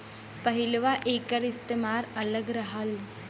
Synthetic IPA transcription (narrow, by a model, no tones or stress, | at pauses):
pəɦilʋaʔeːkəɾɪst̪emaːɾɐləɡɾɐɦəl